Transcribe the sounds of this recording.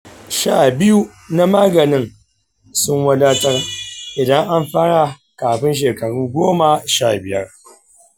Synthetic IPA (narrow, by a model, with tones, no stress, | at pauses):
ʃaː˦˨bɪ˦ju˦ | na˦maː˦ɡɐ˨nɪ˦ŋ | sʊ˦ŋwɐ˦daː˦tɐ˦rʔɪ˨dɐ˦ŋʔa˦mɸaː˦ɽaː˨ | kaː˨ɸɪ˦nʃ̬eː˨kɐ˨ɽuː˦ɡʷoː˦ma˨ʃa̰ː˦˨bɪ˨jɐ̰˦r